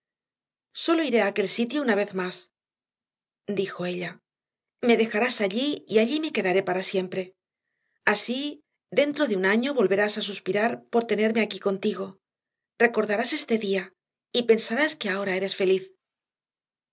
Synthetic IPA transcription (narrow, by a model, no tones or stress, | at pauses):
so̞lo̞iɾe̞aːke̞lsit̪jo̞unaβe̞θmas | d̪ixo̞e̞ʎa | me̞ðe̞xaɾasaʎiiaʎime̞ke̞ðaɾe̞paɾasje̞mpɾe̞ | asi | d̪e̞nt̪ɾo̞ðeunaɲo̞βo̞lβe̞ɾasasuspiɾaɾpo̞ɾt̪e̞ne̞ɾmeakiko̞nt̪iɣo̞ | re̞ko̞ɾðaɾase̞st̪e̞ðia | ipe̞nsaɾaskeao̞ɾae̞ɾe̞sfe̞liθ